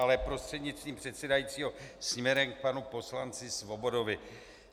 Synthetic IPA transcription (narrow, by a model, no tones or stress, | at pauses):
alɛpɾo̞st̪r̥ɛdɲɪt͡sst̪viːmpr̝̥ɛt̪sɛdajit͡siːɦo̞sɲɲɛɾɛmk̚panupo̞slant͡sɪsvo̞bo̞do̞vɪ